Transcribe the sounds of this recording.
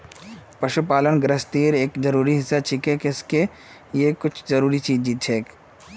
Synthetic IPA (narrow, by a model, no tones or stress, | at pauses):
pɐʃupaːlənɡɾəst̪iːɾeːkd͡ʒɐɾuːɾiɦɪsːat͡ʃʰikekɪske | jekʊt͡ʃʰzɐɾuːɾit͡ʃiːd͡ʒd͡ʒiːt̪̚t͡ʃʰeːk